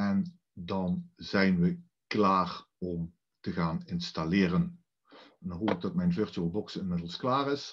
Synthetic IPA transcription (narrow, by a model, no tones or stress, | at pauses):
ɛn | dɑnzɛjnʋə | klaːr | ɔm | təɣaːnɪnstalɪːrən | ndɑnɦopɪɡ̚dɑt̚mɛjnvɪɹtyəlˠbɔksɪnmɪdəlˠsklaːrɪs